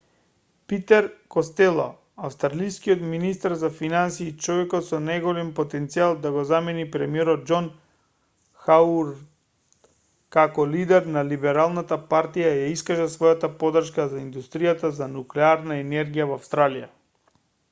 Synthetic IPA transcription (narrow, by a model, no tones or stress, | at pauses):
pit̪ɛɾkɔst̪ɛlˠɔ̰ | afst̪ɾalijskiɔt̪minist̪aɾzafinansiːt͡ʃɔvɛkɔt̪sɔnajɡɔlɛmpɔt̪ɛnt̪sialˠd̪aɡɔzamɛnipɾɛmiɛɾɔd̪̚d͡ʒɔn | xauɾ | kakɔlid̪ɛɾnalibɛɾalˠnat̪apaɾt̪ijajaiskaʒasvɔjat̪apɔd̪r̩ʃkazaind̪ust̪ɾijat̪azanuklɛaɾnaɛnɛɾɡijavafst̪ɾalija